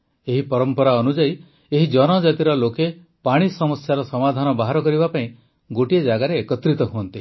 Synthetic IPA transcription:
eɦipɔɾɔmpɔɾaɔnud͡ʒai | eɦid͡ʒɔnɔd͡ʒat̪iɾɔloke | paɽ̃isɔmɔsjaɾɔsɔmad̪ʱanɔbaɦaɾɔkɔɾibapaĩ | ɡoʈied͡ʒaɡaɾeːkɔt̪ɾit̪ɔɦuɔnt̪i

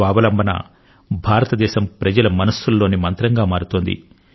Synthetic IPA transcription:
aːbɐlɐmbʱɐnɐ̰ | bʱaːɾɐt̪ɐd̪ɛːʃɐmpɾɐd͡ʒɐlɐmɐnɐsːulːo̞ːnimɐnt̪ɾɐŋɡaːmaːɾut̪oːnd̪ḭ

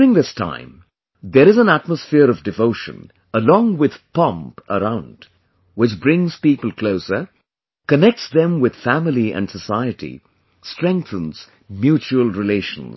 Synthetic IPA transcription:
ɾɪ̃ŋðɪstʰã̰ɪ̃m | ðəɾɨzə̃næt̚məsfɪəɾʌvdɨvoʊʃə̰̃n | əlɔ̃ŋwɪð̥pʌ̃mpəɾãʊ̃nd̥ | wɪt͡ʃbɹɪ̃ŋz̥pipəl̩ˠkʰl̥oʊsə˞ | kənɛk̚tsðɛ̃mwɪð̥fæmɪliɨ̰̃nsəsaɪɨɾḭ | stɹ̥ɛ̃ŋk̚θə̃nz̥ | mjut͡ʃuəlˠɹɪleɪʃə̃n̩z

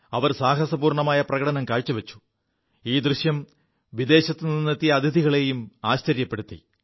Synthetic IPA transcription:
ɐʋɐrsaːɦɐsɐbuːrɳɐmaːjɐprɐɣɐɽɐnɐmkaːɻt͡ɕːuʋɐt͡ɕːu̥ | iːd̪rɨɕjɐm | ʋid̪e̞ːɕɐt̪ːɨninːɐt̪ːijɐːd̪ʱid̪iɣɐɭe̞ːjumaːɕt͡ɕɐɾjɐpːe̞ɽut̪ːḭ

